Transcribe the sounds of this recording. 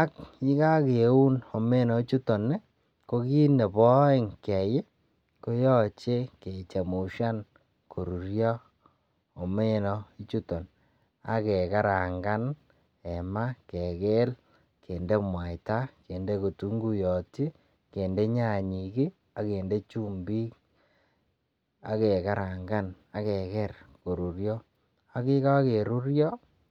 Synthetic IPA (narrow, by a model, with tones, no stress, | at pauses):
a˦ki˦ka˦ku˦no˨me˦nɔ˨i˦t͡ʃu˦to˨ne˦ | ko˦ki˦ne˨pɔ˦ɪ˦˨ŋkɛ˨je˦ | ko˦jɔ˦t͡ʃe˦ke˨t͡ʃa˨mu˨ʃa˦n | kʰo˨ɾu˨ɾjɔ˦ | o˨me˦nɔ˨i˦t͡ʃu˦tɔ˨n | a̰˨ke˨ka˦ɾa˨ŋɡa˦n | ɛ˨ma˦ke˨ke˦l | ke˨nde˦mwa˨jta˦ke˨nde˦ko˨tu˦ŋɡu˦jɔ˨ti˦ | ke˨nde˦ɲa˦˨ɲi˨ki˦ | a˨ke˨nde˦t͡ʃu˦mbi˦k | a̰˨ke˨ka˦ɾa˨ŋɡa˦na˨kɛ˨kɛ˦rko˨ɾu˨ɾjɔ˦ | a˦kɪ˦ka˦ke˨ɾu˦ɾjɔ˦